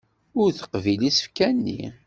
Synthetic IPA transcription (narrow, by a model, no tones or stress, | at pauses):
ʊɾθə̥qvilisə̥fkænːḭ